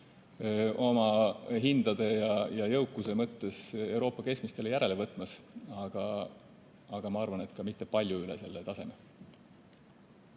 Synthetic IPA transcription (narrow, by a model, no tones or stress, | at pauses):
o̞mɑɦind̪̥ɑd̪̥e̞jɑjɑjɤwkːˑuse̞mɤt̪ːe̞se̞wɾo̞ːpːˑɑke̞smist̪e̞lejæɾe̞le̞vɤt̪ːˑmɑsɑɡ̥ɑ | ɑɡ̥ɑmɑɑrvɑne̞t̪kɑmit̪ːe̞pɑlʲjuylḛse̞lːet̪ɑse̞me